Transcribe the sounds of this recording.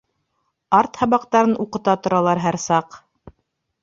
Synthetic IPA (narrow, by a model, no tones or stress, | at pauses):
ɑɾt̪hɑβɑqt̪ɑɾɤnuqɤ̆t̪ɑt̪ŏɾɑlˠɑɾɦæɾsɑq